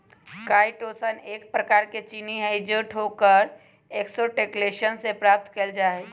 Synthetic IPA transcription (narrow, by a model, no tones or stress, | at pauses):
kaːɪʈoːsəneːk̚pɾɐkaːɾket͡ʃiːniɦɛ̃ɪd͡ʒəːʈɦoːkəɾ | eːksoʈeːkleːʃənsepɾaːp̚t̪kəld͡ʒaːeː